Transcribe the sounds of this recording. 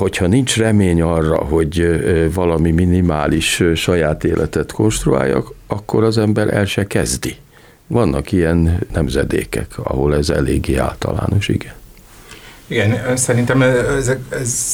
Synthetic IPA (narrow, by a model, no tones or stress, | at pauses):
ho̞chɒnint͡ʃrɛmeːɲɒrːɒ̰ɦo̞ɟvɒlɒmiminimaːliʃʃɒjaːt̪eːlʔɛt̪ɛt̪kʰo̞nʃt̪rua̰ːjːɒ̰kɒkːo̞ɾɒzɛmbɛɾɛ̰lʃɛkɛzd̪i | vɒnːʔɒkijɛnːɛmzɛd̪ḛːkɛkʰɒ̰ɦo̞lɛzɛ̰leːɡːeːa̰ːlt̪ɒ̰la̰ːno̞ʃḭɡɛn | iɡɛnsɛɾint̪ɛmɛɛzɛz